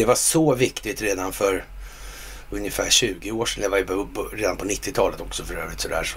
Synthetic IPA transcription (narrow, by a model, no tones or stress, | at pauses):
ɛvaʂɔvɪkt̪ɪt̪ɾeːd̪anfœɾ | ɵnjəfæːɕʉ̟ːɡɪoːʂɛnjavajɾeːd̪anpʰɔnɪt̪ːɪt̪ʰɑːlət̪ɔksɔfœɾøːvɾɪt̪sɔd̪æ̰ːʂ